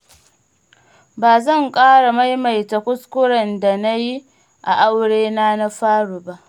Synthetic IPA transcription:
baː˨zɐ˦˨ŋkʼaː˦ɽa˨ma˦jma˨jta˨kʷʊ˦skʷʊ˦ɽɐ˨nda˨na˦ji˦ | ʔa̰˨ʔa˦wɽeː˦naː˦na˦ɸaː˦ɽu˨ba˦ʔ

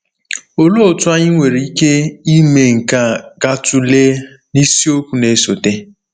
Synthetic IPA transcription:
o˨lo˦o˨tʊ˦a˦ɲɪ˦ŋʷe˨ɾi˨˦i˦ke˦i˦me˨ŋ̩˨ka˦ɡa˦tʊ˦le˦ | ni˦si˦o˦kʷu˨ne˨˦so˨te˦

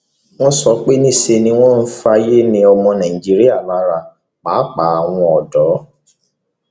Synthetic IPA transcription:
w̃ɔ̃˦sɔ˧k͡pe˦nĩ˦˨se˧nĩ˧w̃ɔ̃˦n̩˦fa˧je˦nĩ˧ɔ˧mɔ̃˧nã˨ĩ˨d͡ʒi˨˦ɾi˦a˦˨la˨˦ɾa˧˨ | k͡pa˨˦k͡pa˨˦a˨w̃ɔ̃˧ɔ˨dɔ˨˦

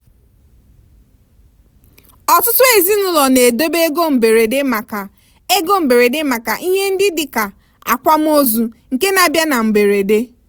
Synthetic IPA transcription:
ɔ˨tʊ˦tʊ˦e˨zi˦nʊ˦lɔ˨ne˨do˦be˦e˦ɡo˦m̩˨be˨ɾe˨de˦ma˨ka˨ | e˦ɡo˦m̩˨be˨ɾe˨de˦ma˨ka˨ʔi˦ɲe˦n̩˦dɪ˦dɪ˨ka˨ | a̰˨kʷa˦m̩˦o˦zu˨ŋ̩˨ke˦na˨bja˦na˨m̩˨be˨ɾe˨de˦

